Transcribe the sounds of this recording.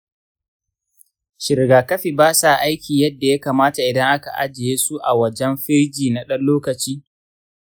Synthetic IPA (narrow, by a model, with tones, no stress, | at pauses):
ʃɪ˨ɾɡaː˨kɐ˦ɸi˨baː˦sa˨ʔa˦jkʲiː˨jɐ˦dːa˨ja˦kaː˨maː˦ta˨ʔɪ˨dɐ˦ŋʔa˦ka˨ʔa̰˦d͡ʒɪ˨jeː˦su˦ʔa˨wɐ˦d͡ʒɛ˦mɸɪ˦ɾd͡ʒiː˨na˨ɗɐ˦nloː˦kɐ˨t͡ʃiː˦